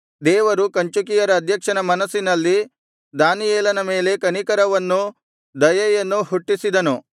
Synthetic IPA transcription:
d̪ɛːʋɐɾukɐɲt͡ʃukijɐɾɐːd̪ʱjɐkʂɐnɐmɐnɐsːinɐlːi | d̪aːnijɛːlɐnɐme̞ːle̞kɐnikɐɾɐʋɐnːu | d̪ɐjɐjɐnːuhuʈːisid̪ɐnu

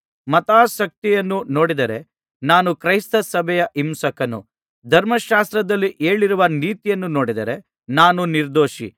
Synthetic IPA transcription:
mɐt̪aːʃɐk̚t̪ijɐnːuno̞ːɽid̪ɐɾe̞ | naːnukɾɐjst̪ɐsɐbʱɛjɐʔimsɐkɐnṵ | d̪ʱɐɾmɐʃaːst̪ɾɐd̪ɐlːiʔe̞ːɭiɾuʋɐniːt̪ijɐnːuno̞ːɽid̪ɐɾe̞ | naːnuniɾd̪oːʃḭ

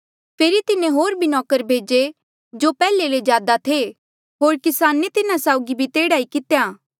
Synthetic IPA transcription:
pʰeːɾit̪ɪnẽɦoːɾbʱinɔːkəɾbʱeːd͡ʒe | d͡ʒopɛːleled͡ʒjaːd̪at̪ʰe | ɦoːɾkɪsaːnet̪ɪnasaːʊɡibʱit̪eːɽaːikɪt̪jaː

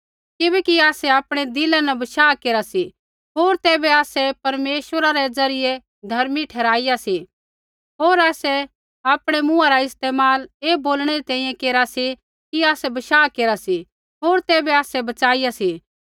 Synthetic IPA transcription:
kɪbɛkiaːsɛaːpɽ̃ed̪ɪlãnɛbɐʃaːkeːɾasi | ɦoːɾt̪ɛːbɛaːsɛpɐɾmeːʃəɾaɾɛd͡zɐɾɪje | d̪ʱɐɾmiʈʰɛːɾaːijasi | ɦoːɾaːsɛ | aːpɽ̃emʊ̃ãɾaɪst̪eːmaːleːboːlɽ̃ɛɾit̪ɛ̃ːĩjɛ̃keːɾasi | kiaːsɛbɐʃaːkeːɾasi | ɦoːɾt̪ɛːbɛaːsɛbɐt͡ʃaːijasi

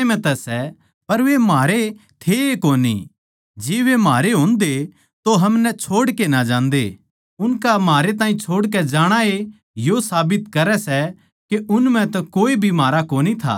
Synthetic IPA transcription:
mɛ̃t̪ɛsɛ | pɐɾʋemaːɾet̪ʰeekoːnḭ | d͡ʒɪːʋemɦaːɾeɦõːnd̪e | t̪oɦɐmnɛt͡ʃʰoːɽkenad͡ʒãːnd̪ḛ | ʊnkamaːɾet̪̬aːĩt͡ʃʰoːɽk̬ɛd͡ʒaːɽ̃ae | josaːbɪt̪kɐɾɛsɛ | keʊnmɛ̃t̪ɐkoːibʱimaːɾakoːnit̪ʰa̰ː

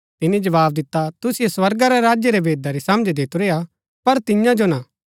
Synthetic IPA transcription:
t̪ɪnid͡ʒɐʋaːb̚d̪ɪt̪ːat̪ʊsijeswɐɾɡaɾeɾaːd͡ʒjeɾebʱeːd̪aɾisɐməd͡ʒd̪ɪt̪oɾeːa | pɐɾt̪ɪjãd͡ʒona

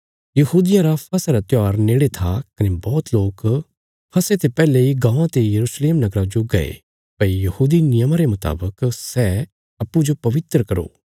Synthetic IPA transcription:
jɐɦuːd̪ɪjãɾapʰɐsaɾat̪jaːɾneːɽet̪ʰakɐnebɔːt̪loːk | pʰɐset̪epɛːleiɡãːãt̪ejɐɾuːsleːmnɐɡɾad͡ʒoɡɐ̰ḛ | pɐijɐhuːd̪inɪjəmãɾemɐt̪a̰ːbəksɛː | ɐpːũd͡ʒopɐʋɪt̪ɾkɐɾo̰ː

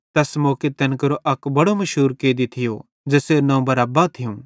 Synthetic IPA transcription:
t̪ɐsmoːket̪ɛnkɐɾoʔɐkbɐɽomɐʃɦuːɾkeːd̪it̪ʰɪjo | d͡ʒeːsenɐ̃ũbɐɾaːbat̪ʰɪjũː

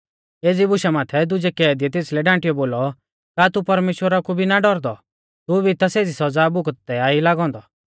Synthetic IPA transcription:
eːd͡zibʊʃamaːt̪ʰɛd̪ʊd͡ʒɛkɛːd̪iɛt̪eːslɛɖãːʈijɔboːlɔ | kaːt̪upɐɾmeːʃwəɾakubʱinaɖɔɾd̪ɔ | t̪ubʱit̪aseːd͡zisɐd͡zaːbʊkt̪ːɛaːilaːɡɔ̃ːnd̪ɔ

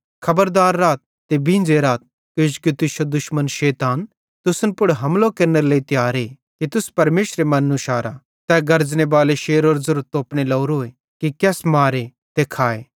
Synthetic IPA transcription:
kʰɐbəɾd̪aːɾːaːt̪̚ːebĩːnd͡ʒeɾaːt̪̚ | kɪd͡ʒkit̪ɪʃod̪ʊʃmənʃɛːt̪aːn | t̪ʊsnpʊɽɦɐmlokɐɾneɾleit̪jaːɾe | kit̪ʊspɐɾmeːʃɾemɐnːũʃaːɾa | t̪ɛːɡɐɾd͡ʒnebaːleʃeːɾoːɾzʊɾt̪oːpnelɐːɾoːe | kikɛːsmaːɾe | t̪ekʰaːḛː

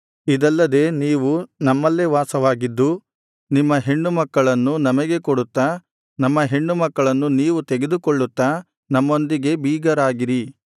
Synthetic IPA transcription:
id̪ɐlːɐd̪e̞ːniːʋunɐmːɐlːeːʋaːsɐʋaːɡid̪ːu | nimːɐɦe̞ɳːumɐkːɐɭɐnːunɐmɐɡe̞koɽut̪ːɐ | nɐmːɐɦe̞ɳːumɐkːɐɭɐnːuniːʋut̪eɡe̞d̪ukoɭːut̪ːɐ | nɐmːo̞nd̪iɡe̞biːɡɐɾaːɡiɾi

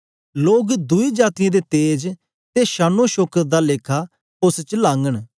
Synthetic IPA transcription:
loːɡd̪ʊid͡ʒaːt̪ɪjãd̪et̪eːd͡ʒ | t̪eʃaːnõʃoːkəɾd̪aleːkʰa | ʊst͡ʃlãːŋɡəɽ̃

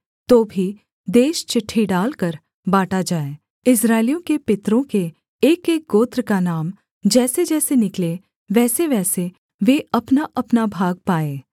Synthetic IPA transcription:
t̪oːbʱi | d̪eːʃt͡ʃɪʈʰːiɖaːlkəɾ | baːʈad͡ʒaːeː | ɪsɾaːɪlijõkepɪt̪ɾõkeː | keːk̚ɡoːt̪ɾəkanaːm | d͡ʒɛːsed͡ʒɛːsenɪkle | ʋɛːseʋɛːse | ʋeɐpnaʔɐpnabʱaːɡ̚paːeː

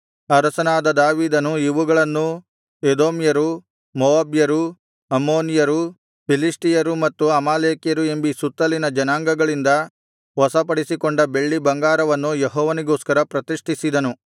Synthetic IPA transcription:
ɐɾɐsɐnaːd̪ɐd̪aːʋiːd̪ɐnuiʋuɡɐɭɐnːu | ed̪oːmjɐɾu | mɔʋaːbjɐɾu | ɐmːoːnijɐɾu | pʰilisʈijɐɾumɐt̪ːuɐmaːleːkjɐɾue̞mbisut̪ːɐlinɐd͡ʒɐnaːŋɡɐɡɐɭind̪ɐ | ʋɔsɐpɐɽisikoɳɖɐbe̞ɭːibɐŋɡaːɾɐʋɐnːujeɦɔːʋɐniɡoːskɐɾɐpɾɐt̪iʂʈisid̪ɐnu

